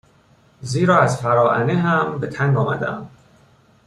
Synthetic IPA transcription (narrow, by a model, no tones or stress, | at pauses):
ziːɾɒːæzfæɾɒːʔæneɦæmbe̞t̪ʰæŋɡɒːmæd̪eæm